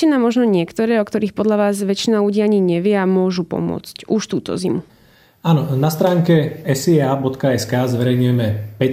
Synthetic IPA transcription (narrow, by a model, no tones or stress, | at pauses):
inaːmɔʒnɔɲɪɛkt̪ɔɾɛːɔkt̪ɔɾiːxpɔd̪ʎaʋaːzʋɛt͡ʃinaluɟiːaɲiɲɛʋɪɛamʊɔʒupɔ̰mʊɔ̰t͡scuʃt̪uːt̪ɔ̰zimu | aːnɔnast̪ɾaːŋkɛɛsiaːbɔt̪kaɛskaːzʋɛɾɛjɲujɛmɛpɛ